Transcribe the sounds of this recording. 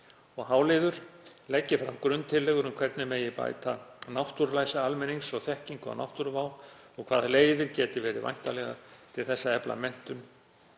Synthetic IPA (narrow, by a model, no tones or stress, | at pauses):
ɔɣhaːwlɪðʏɾ̥lɛcːɪfɾamkɾʏnt̪ʰɪlːɛːɣʏɾʏmkʰv̥ɛɾt̪nɪmeːjɪpa̰ːjt̪anawht̪uɾlajsaalmɛniŋsɔɣθɛhciŋkɔ̰wna̰wht̪uɾvaːw | ɔɣkʰv̥aːðleːjðɪɾcɛːt̪ɪvɛːɾɪ̰va̰jn̥t̪alɛɣa̰t̪ʰɪlθɛsːaɛpla̰mɛn̥t̪ʏn